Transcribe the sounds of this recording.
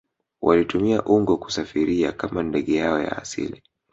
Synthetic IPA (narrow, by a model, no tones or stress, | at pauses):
wʔalitumiaʔuŋɡɔku̥safiɾia̰kamandɛɠɛjaɔja̰ːsḭli